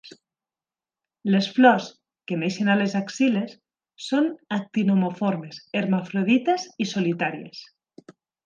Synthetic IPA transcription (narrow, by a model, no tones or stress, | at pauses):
lesflɔs | kemeʃenalezaksilesː | onak̚t̪inomofoɾmeseɾmafɾoðit̪ezisolit̪aɾiḛs